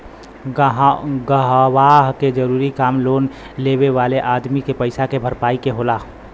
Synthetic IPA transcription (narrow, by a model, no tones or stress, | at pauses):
ɦɡəɦwaːɦked͡ʒəɾuːɾikaːmloːn | leːweʋaːleʔaːd̪mikepəɪsakebʱəɾpaːikeɦolaː